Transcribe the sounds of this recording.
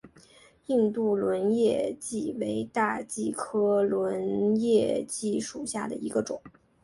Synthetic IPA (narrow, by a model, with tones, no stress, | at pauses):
i˥˧nt̪u˥˩lwə˧˥njɛ˥˧t͡ɕi˥˩we˧˥ɪt̪a˥˧t͡ɕi˥˩kʰɤ˥lwə˧˥njɛ˥˧t͡ɕi˥˩ʂu˨˩ɕja˥˩d̪ə̰˩i˧˥ɡə˧ʈ͡ʂʊ˨˩˦ŋ